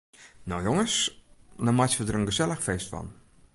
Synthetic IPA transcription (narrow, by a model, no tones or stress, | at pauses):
nowjoŋəsnamatʋədərənɡəzɛlˠəxfeːstfɔ̰n